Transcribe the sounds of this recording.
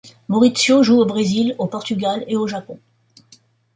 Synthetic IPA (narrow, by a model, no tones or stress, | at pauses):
mɔʁit̪sjoʒuobʁezilopɔʁt̪yɡʲaleoʒapɔ̃